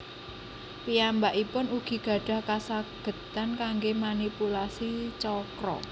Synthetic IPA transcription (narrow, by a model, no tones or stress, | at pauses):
piambaʔipʊnuɡ̥i̤ɡ̥ä̤ɖ̥a̤hkasaɡ̥ə̤t̪ankaŋɡemanipulasit͡ʃɔkɾɔ̰